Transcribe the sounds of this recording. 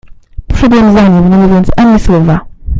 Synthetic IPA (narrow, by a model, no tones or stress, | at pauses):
pʂɛd̪wɛmzaɲɛmnamuvʲjɔnt̪sʔaɲɛswɔva